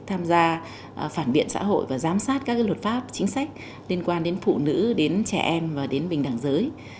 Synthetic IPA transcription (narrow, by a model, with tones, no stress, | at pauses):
t̪ʰaː˧mzaː˧ | faː˧˩nɓḭ˧˨ənsa̰ː˧˥ɦo̰˧˨jvaː˨˩zaː˨˦msaː˦˥t̚kaː˦˥klwə˨˩t̚faː˦˥p̚t͡ɕï˨˦ŋ̟sa˦˥jk̚ | li˧ənkwaː˧nɗe˨˦nfṵ˧˨nɨ̰˧˥ɗe˨˦nt͡ɕɛ̰˧˩ʔɛ˧mvaː˨˩ɗe˨˦nɓï˨˩ŋɗa˧˩ŋzəː˨˦j